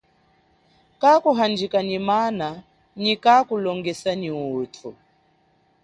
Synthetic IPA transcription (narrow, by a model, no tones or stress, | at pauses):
kakuɦand͡ʒikanimana | nikakulɔŋɡɛsaniutʰu